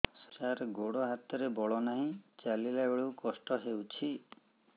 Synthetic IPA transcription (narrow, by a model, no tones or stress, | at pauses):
skaɾɡoɽɔɦat̪ɔɾebɔɭɔnaɦĩt͡ʃalilabeɭuwkɔsʈɔɦewt͡ʃʰi